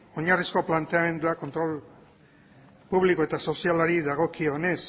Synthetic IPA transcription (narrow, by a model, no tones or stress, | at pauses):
o̞ɲarisko̞plant̪e̞ame̞nd̪uako̞nt̪ɾo̞l | puβlikoe̞t̪aso̞sialaɾiðaɣ̞o̞kio̞ne̞s